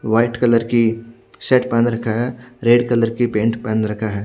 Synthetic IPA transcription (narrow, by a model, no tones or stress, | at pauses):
ʋaːɪʈkɐləɾki | sɛːʈpãːnɾɐkʰaɦɛːɾeːɖkɐləɾkipẽːɳʈpãːnɾɐkʰaɦɛː